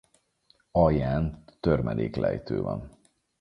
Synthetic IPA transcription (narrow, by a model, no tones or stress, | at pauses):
ɒjaːnːørmɛd̪eːklɛjt̪øːvɒ̰n